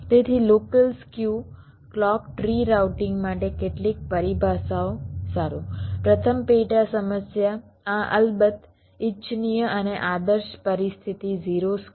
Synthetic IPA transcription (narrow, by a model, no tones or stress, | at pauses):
t̪et̪ʰilokəlskju | klɔkʈɾiɾawʈɪŋɡmaʈekeʈlik̚pəɾibʱasaosaɾupɾət̪ʰəmpeʈasəməsja | aʔə̰lbət̪ | it͡ʃnijəəneʔad̪əɾʃpəɾist̪ʰit̪iziɾos